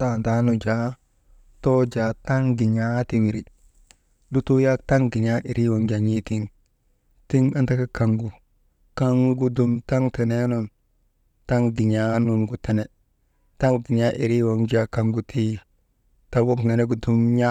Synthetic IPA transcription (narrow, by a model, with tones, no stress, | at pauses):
ta˦˨nta˨˦nu˨d͡ʒa˦ | to˦d͡ʒa˨ta˦ŋɡi˨ɲa˦ti˨wi˨ɾi˨ | du˦tu˦ja˦ta˦ŋɡi˨ɲa˦ʔi˨ɾʔi˦wo˨ŋd͡ʒa˨ɲi˦ti˦n | ti˦ŋa˦nta˦ka˦ka˨ŋɡu˨ | ka˦ŋ˦ɡu˦du˦mta˦ŋti˨ne˦no˦n | ta˦ŋɡi˨ɲa˦nu˦nɡu˨te˨ne˨ | ta˦ŋɡi˨ɲa˦ʔi˨ɾi˦wo˨ŋd͡ʒa˨ka˨ŋɡu˦tʰi˦ | ta˦wo˦kŋe˨ne˦ɡu˨du˦mɲa˦